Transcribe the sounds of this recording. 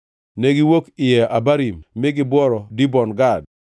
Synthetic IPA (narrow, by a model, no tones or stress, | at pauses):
nɛɡɪwokɪjɛʔabaɾimːɪɡɪbɔɾɔdibɔnɡad̚